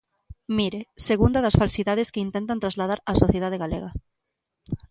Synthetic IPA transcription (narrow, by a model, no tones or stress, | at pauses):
miɾeseɣund̪aðasfalsiðað̞eskeint̪ẽnt̪ant̪ɾazlað̞aɾasoθjeðað̞eɣalḛɣa